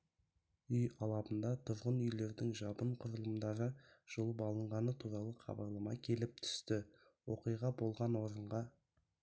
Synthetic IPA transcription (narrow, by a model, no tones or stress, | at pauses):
ʏjɑlˠɑbənd̪ɑt̪ʰʊɾʁənʏjle̞ɾd̪ɪŋʒɑbəɴqʰʊɾəlˠəmd̪ɑɾəʒ̥olˠəpɑlˠəɴʁɑnət̪ʰuɾɑlˠəqʰɑ̰bɑɾlˠɑmɑkʲʰe̞lɪp̚t̪ʰʏ̥st̪ɪ | wo̞qijʁɑbo̞lˠʁɑnwo̞ɾəɴʁɑ